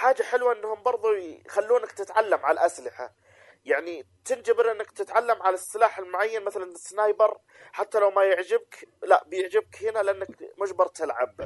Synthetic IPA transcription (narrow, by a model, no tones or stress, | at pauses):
ħaːd͡ʒːaħɪlwaʔɪnːhʊmbɑɾˤðˤuxalːuːnak̚t̪ɪt̪ʕalːamʕalʔaslɪħa | jaʕni | t̪ɪnd͡ʒabɪɾʔɪnːakt̪ɪt̪ʕalːamʕalasːɪlaːħɪlmʊʕajːanmaθalanɪsːnaːjbɑɾˤ | ħat̪ːalawmajɪʕd͡ʒɪbklaʔbɪjɪʕd͡ʒɪb̚khɪnalɪʔanːakmʊʒbɑɾˤt̪ɪlʕa̰b̚